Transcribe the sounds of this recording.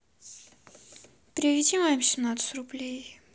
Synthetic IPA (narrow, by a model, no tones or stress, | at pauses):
pɾʲɪvʲɪdʲimamsʲɪmnat̪sɨrʊblʲej